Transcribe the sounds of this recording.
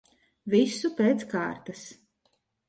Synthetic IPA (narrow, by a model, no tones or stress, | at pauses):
visupeːt̪ska̰ːɾt̪as